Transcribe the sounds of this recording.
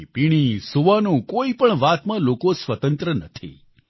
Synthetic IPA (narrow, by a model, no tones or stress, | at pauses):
piɽ̃isuʋanũkoipəɳʋat̪mãlokosʋət̪ə̃nt̪ɾənət̪ʰḭ